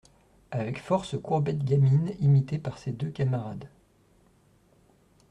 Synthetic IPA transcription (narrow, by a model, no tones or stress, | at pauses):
avɛkfɔʁsəkuʁbɛt̪ɡʲaminimit̪epaʁsed̪økamaʁad̪